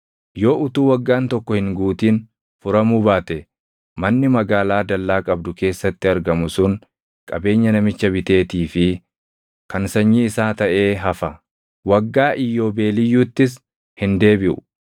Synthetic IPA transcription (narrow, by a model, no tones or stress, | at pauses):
jo̞ːʔʊt̪uːwɐɡːaːnt̪ɔkːɔhɪŋɡuːt̪iːn | fʊɾɐmuːbaːt̪ɛ | mɐnːɪmɐɡaːlaːd̪ɐlːaːkʼɐbd̪ʊke̞ːsːɐt̪ːɪɐɾɡɐmʊsʊŋ | kʼɐbe̞ːɲːɐnɐmɪt͡ʃːɐbɪt̪e̞ːt̪iːfɪ | kɐnsɐɲːiɪsaːt̪ɐʔe̞ːɦɐfɐ | wɐɡːaːʔɪjːo̞ːbe̞ːlɪjːuːt̪ːɪs̬ | hɪnd̪e̞ːbɪʔʊ̥̰